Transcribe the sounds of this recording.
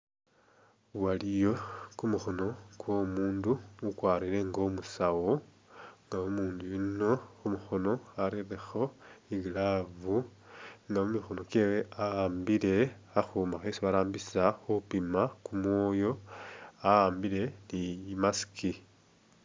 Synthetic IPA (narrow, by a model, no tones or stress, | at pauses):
walijo̞kumuxo̞no̞kwo̞muːndumukwaːɾile̞ŋɡo̞musawo | ŋɡaumuːndujino̞umuxo̞no̞aɾirexo̞iɡilavuŋɡamumixo̞no̞keweaaːmbile̞ | axumaxesiβaɾaːmbisaxuupimakumwoːjo̞ | aaːmbile̞nimasi̥ki